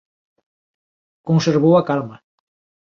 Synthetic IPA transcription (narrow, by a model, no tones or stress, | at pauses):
konseɾβ̞owakalma